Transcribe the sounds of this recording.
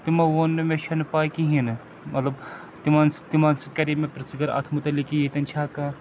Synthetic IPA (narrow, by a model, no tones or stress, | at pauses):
t̪imɐʋonːemẽʃʰɐnpaːjkiɦin | mɐt̪lɐb | t̪imaːnst̪imansɐt̪̚kɐɾimẽpɾɐsɡɐɾa̰t̪ʰmut̪ɐlikijet̪ɐnt͡ʃʰaːka